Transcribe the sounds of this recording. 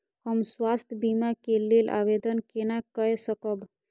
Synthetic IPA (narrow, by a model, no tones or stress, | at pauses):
həmswast̪ʰbimakelelʔa̰bed̪ənkenakəesəkəb